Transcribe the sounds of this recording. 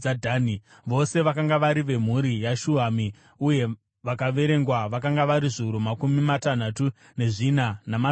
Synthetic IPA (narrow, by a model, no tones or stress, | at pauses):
adʱaːni | ʋo̞se̞ʋakaŋɡaʋaɾiʋe̞m̤uɾijaʃuami | uje̞ | ʋakaʋe̞ɾe̞ŋɡwaʋakaŋɡaʋaɾiʐiuɾomakumimatan̤atu | ne̞ʐinanama